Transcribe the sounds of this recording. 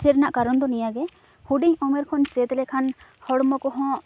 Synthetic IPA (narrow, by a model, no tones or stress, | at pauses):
t͡ʃɛɾnaʔkaɾɔnd̪ɔnijaɡɛ | huɖiɲɔmɛɾkʰɔnt͡ʃɛt̪lɛkʰanhɔɽmɔkɔɦɔ̃ʔ